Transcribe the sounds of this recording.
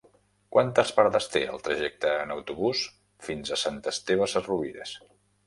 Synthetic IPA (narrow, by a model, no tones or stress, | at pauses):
kwant̪əspaɾðəst̪eə̰lˠt̪ɾəʒɛk̚t̪əːnəwt̪uβus | finzəsant̪əst̪eβəsəruβiɾḛs